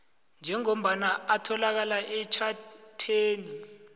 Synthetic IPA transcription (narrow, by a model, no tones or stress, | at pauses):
nd͡ʒʱɛŋom̩ɓanaatʰɔlak̬alaʔɛt͡ʃʰatʰeːni